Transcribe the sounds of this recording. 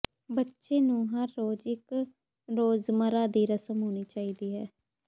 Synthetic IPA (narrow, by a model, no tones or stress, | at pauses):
bətːʃeːnũːɦəɾːoːd͡ʒɪk | ɾoːzməɾaːd̪iːɾəsəmɦoːñiːt͡ʃaːiːd̪iːɦɛː